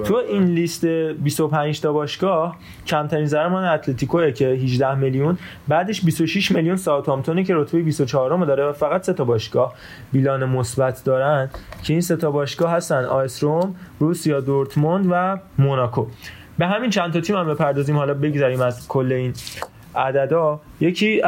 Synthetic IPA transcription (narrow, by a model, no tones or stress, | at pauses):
t̪ʰueʔinlist̪ebiso̞pʰænd͡ʒt̪ʰɒːbɒːʃɡ̥ɒːh | cʰæmt̪ʰæɾiːnzæɾemɒːneæt̪ʰlet̪ʰiːkʰoecʰe̞ɦiʒd̪æhmeljun | bæːd̪eʃbisoʃiʃmeljunsɒt̪ʰɒmt̪ʰonece̞ɾot̪ʰbejebist̪o̞t͡ʃʰɒɦːɾomd̪ɒːɾevæfæɣæt̪se̞t̪ʰɒbɒːʃɡ̥ɒːh | biːlɒːnemosbæt̪ʰd̪ɒːɾænd̪cʰe̞iːnse̞t̪ʰɒbɒːʃɡ̥ɒːhɦæst̪ænd̪ɒ̰ːesɾomrusijɒːd̪oɾt̪ʰmond̪væmonɒːkʰo | be̞ɦæmint͡ʃʰænt̪ʰɒt̪ʰiːmæmbe̞pʰæɾd̪ɒːziːmhɒːlɒːbe̞ɟzæɾiːmæzkʰolːe̞iːn | æd̪æd̪ɒː | je̞cʰiː